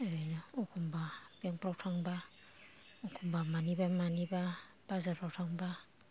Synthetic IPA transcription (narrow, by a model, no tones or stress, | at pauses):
ajnaukʰumbabiaŋpɾawtʰaŋba | ukʰumbamanibamaniba | b̥azapʰɾawtʰaŋba